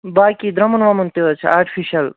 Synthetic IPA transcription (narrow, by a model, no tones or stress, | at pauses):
bakid̪ɾɐmənʋamunt̪iɦot͡ʃʰaɾʈʰi̥pʰiʃɐl